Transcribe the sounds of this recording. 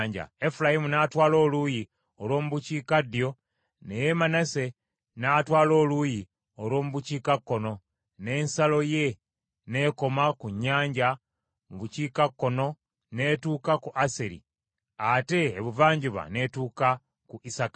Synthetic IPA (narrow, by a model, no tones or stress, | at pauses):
ɲɟa̰e̞fulajimunaːtwaːlo̞ːluji | o̞lwo̞ːmuβuciːkadijo̞ | nejemanase̞ | naːtwaːlo̞ːluji | o̞lwo̞ːmuβuciːkakːo̞no̞ | ne̞ːnsalo̞je̞ | ne̞ːko̞makuɲːaːɲɟa | muβuciːkakːo̞no̞ | ne̞tuːkakuʔaseɾḭ | ate̞ːβuvaːɲɟiβa̰ne̞tuːka | kuʔisakḁ